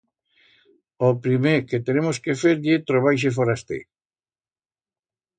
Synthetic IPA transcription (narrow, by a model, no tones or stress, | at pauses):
opɾimeɾket̪enemoskefeɾdet̪ɾoβ̞ajʃ̬efoɾast̪ḛ